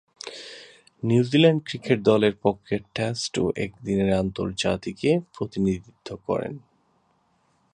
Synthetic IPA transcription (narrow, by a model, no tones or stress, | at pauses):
nuwzilaɳɖkɾikeʈ̚d̪ɔleɾpɔkʰːeʈːesʈo̰ʔek̚d̪ineɾant̪o̰ɾd͡ʑa̰t̪ikepɾot̪inid̪it̪ʰːokɔ̰ɾḛn